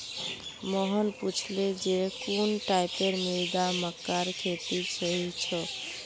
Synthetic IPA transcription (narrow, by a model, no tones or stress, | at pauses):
mɔɦɔnput͡ʃʰled͡ʒekunʈajpeɾmejd̪aməkːaɾkʰet̪isɔɦit͡ʃʰɔ